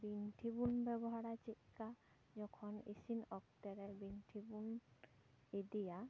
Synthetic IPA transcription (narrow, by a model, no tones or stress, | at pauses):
binʈʰibunbɛbɔɦaɽat͡ʃit̪̚ka | d͡ʒɔkʰɔnḛsinɔk̚t̪ɛɾɛbinʈʰibun | ed̪ija